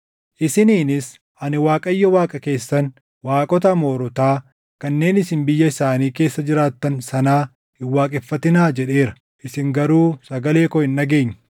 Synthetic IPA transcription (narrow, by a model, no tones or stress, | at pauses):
ʔɪsɪniːnɪs | ɐnɪwaːkʼɐjːɔwaːkʼɐke̞ːsːɐn | waːkʼɔt̪ɐmo̞ːɾɔt̪aː | kɐnːe̞ːnɪsɪnbɪjːɐɪsaːniːke̞ːsːɐd͡ʒɪɾaːt̪ːɐnsɐnaː | ɪwːaːkʼɛfːɐt̪ɪnaːd͡ʒɛᶑe̞ːɾɐ̥ | ʔɪsɪŋɡɐɾuːsɐɡɐle̞ːkɔɪnːɐɡe̞ːɲ̥ː